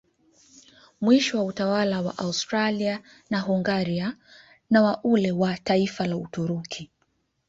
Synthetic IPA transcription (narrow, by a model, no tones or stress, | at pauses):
mwiʃɔwautawalawa̰ʔaustɾalia | naɦuŋɡaɾia | nawaʔulɛwataifalautuɾukʰi